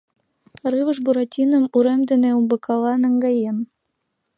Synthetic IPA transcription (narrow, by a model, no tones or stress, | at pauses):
rɨβɤ̆ʃ̬buɾɑtʲinɤ̆muɾemd̪ɘ̆neumbɤ̆kʰɑlˠɑnæ̆ŋɡɑjen